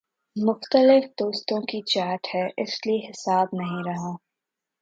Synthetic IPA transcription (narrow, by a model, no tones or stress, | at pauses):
mʊxt̪əlɪfd̪oːst̪õkit͡ʃaːʈhɛʔɪslieɦɪsaːbnɐɦĩɾɐɦãː